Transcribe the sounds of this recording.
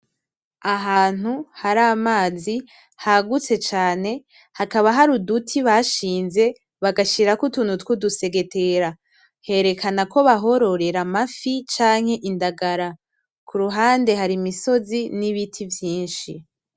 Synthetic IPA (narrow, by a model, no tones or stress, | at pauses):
aɦaːn̥huhaɾaːmaːzi | haɡut͡se̞t͡ʃaːne̞ | hakaβaɦaɾudutʰiβaʃiːnze̞ | βaɡaʃiɾakutunutkuduse̞ɡe̞tʰe̞ɾa | he̞ɾe̞kʰanako̞βaɦo̞ɾo̞ɾe̞ɾamafit͡ʃaːŋ̥he̞ʔindaɡaɾa | kʰuɾuɦaːnde̞ɦaɾimiso̞ziniβitʰivjiːnʃi